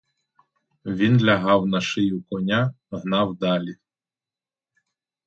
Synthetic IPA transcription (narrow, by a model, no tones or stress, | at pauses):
ʋʲinlʲɐɦɑwnɐʃɪjukɔnʲa | ɦnɑwd̪ɑlʲi